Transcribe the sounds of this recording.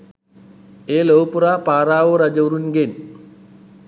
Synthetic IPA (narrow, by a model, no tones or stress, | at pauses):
eːlowpuɾaːpaːɾaːʋuɾɐd͡ʒɐwɾunɡen